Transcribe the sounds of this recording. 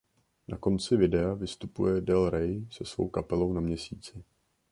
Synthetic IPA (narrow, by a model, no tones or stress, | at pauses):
nʔako̞nt͡sɪvɪdɛavɪst̪upṵjɛdɛlɾɛjsɛsvo̰wkapɛlo̞wnamɲɛsiːt͡sɪ